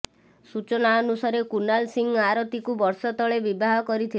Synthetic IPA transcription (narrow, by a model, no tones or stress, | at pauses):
sut͡ʃɔnaɔnusaɾekunalsiŋɡaɾot̪ikubɔɾsɔt̪ɔɭebibaɦɔkɔɾit̪ʰi